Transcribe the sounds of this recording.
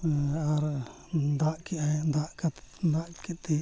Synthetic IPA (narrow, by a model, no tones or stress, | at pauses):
aɾ | d̪aʔkɛʔajd̪aʔkat̪d̪aʔkɛt̪ɛ